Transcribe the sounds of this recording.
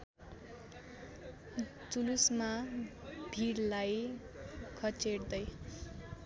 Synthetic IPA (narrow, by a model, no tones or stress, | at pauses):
t͡sulusma | bʱiɾlaj | kʰʌt͡seɽd̪ʌj